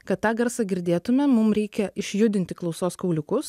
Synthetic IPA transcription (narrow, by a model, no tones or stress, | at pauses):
kɐt̪t̪ːɑːɡɐɾsɑːɡʲɪɾʲd̪ʲeːt̪ʊmʲɛmʊmɾʲɛɪkʲɛʔɪʃʲjʊd̪ʲɪnʲt̪ʲɪklˠɒʊsoːskɐʊlʲʊkʊs